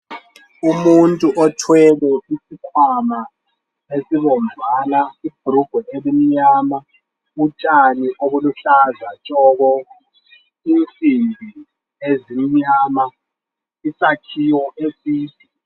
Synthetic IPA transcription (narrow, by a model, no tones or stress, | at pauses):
umuntʼuʔɔtʰwɛβɛʔisikʰwama | esiβɔnzʱwalaib̥ʱuɾuɡ̥ʱɔʔeβimiɲaːma | ut͡ʃʼaniʔoβuluɬazat͡ʃʼɔːɣɔ | int͡sʼimbʱi | ezimiɲaːma | isakʰiwɔʔesiːpʰi